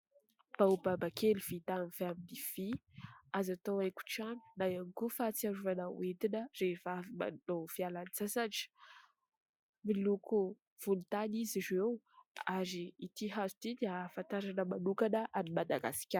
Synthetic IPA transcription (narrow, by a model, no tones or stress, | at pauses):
b̥aubabakeliv̥it̪amiv̥eaminiv̥iazat̪owajku̥ʈ͡ʂani̥najanikufat͡siaɾuvanaw̰et̪inərefavima̰nov̥ialanit͡sasad͡ʒə̥ | miluku | v̥ulut̪anizizew | aɾiit̪iɦazu̥t̪id̪eafant̪aɾanəmanukanəʔanimad̪aɡa̰si̥kʲa